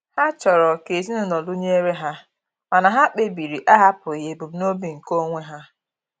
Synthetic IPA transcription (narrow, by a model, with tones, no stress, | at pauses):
ha˦t͡ʃɔ˨ɾɔ˨ke˨zi˦nʊ˨nɔ˨lu˦ɲe˦e˦ɾe˦ɦa˦ | a˨na˨ɦa˦k͡pe˦bi˨ɾi˨ʔa˦ɦa˦pʊ˨i˨je˨bu˨b̩˨no˦bi˨ŋ̩˨ko˦ŋʷe˦ɦa˦